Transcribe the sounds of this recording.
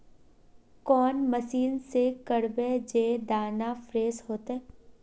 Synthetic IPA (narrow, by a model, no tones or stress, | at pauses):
kɔːnməsiːnsekəɽbed͡ʒeːd̪aːnafɾeːzhoːt̪ɦɛ̃ː